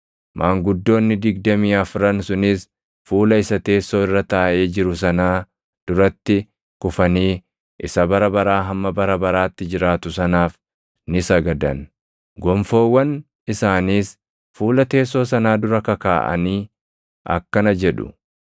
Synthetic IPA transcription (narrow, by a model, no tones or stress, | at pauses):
mʔaːŋɡʊd̪ːo̞ːnːɪd̪ɪɡd̪ɐmiːɐfɾɐnsʊnɪs | fuːlɐɪsɐt̪e̞ːsːo̞ːɪrːɐt̪aːʔe̞ːd͡ʒɪɾʊs̬ɐnaː | d̪̥ʊɾɐt̪ːɪ | kʊfɐniː | ʔɪsɐbɐɾɐbɐɾaːɦɐmːɐbɐɾɐbɐɾaːt̪ːɪd͡ʒɪɾaːt̪ʊsɐnaːf | nɪsɐɡɐd̪ɐ̰n | ɡɔmfo̞ːwːɐn | ɪsaːniːs | fuːlɐt̪e̞ːsːo̞ːsɐnaːd̪ʊɾɐkɐka̰ːʔɐ̰niː | ʔɐ̰kːɐnɐd͡ʒɛᶑʊ̥̰